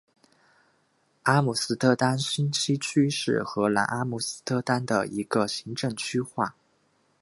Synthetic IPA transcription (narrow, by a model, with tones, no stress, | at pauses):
a˥mu˥˩sɹ̩˥t̪ʰɤ˥˧t̪a˥nɕi˥nt͡ɕʰi˥t͡ɕʰy˥ʂɻ̩˥˩xɤ˧˥la̰˧˥ʔa˥mu˥˩sɹ̩˥t̪ʰɤ˥˧t̪a˥nd̪ə̰˨i˧˥ɡ̥ə˧ɕi˧˥ŋʈ͡ʂɤ˥˩ŋt͡ɕʰy˥xwa˥˩